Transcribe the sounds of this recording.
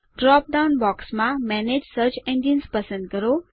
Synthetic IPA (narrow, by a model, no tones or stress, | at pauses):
ɖɾɔp̚ɖawnbɔːksmãmɛned͡ʒsəɾt͡ɕẽɳɖiənspəsə̃nd̪̚kəɾo